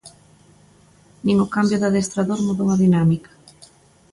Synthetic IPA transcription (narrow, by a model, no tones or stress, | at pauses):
nĩŋʊkambjʊðaðest̪ɾaðoɾmuðowɐðinamikḁ